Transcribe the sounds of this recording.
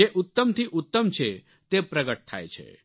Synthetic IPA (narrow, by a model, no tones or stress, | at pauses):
eʔʊt̪ːəmt̪ʰiʔʊt̪ːəmt͡ʃʰe | t̪epɾəɡəʈ̚t̪ʰa̰et͡ʃʰḛ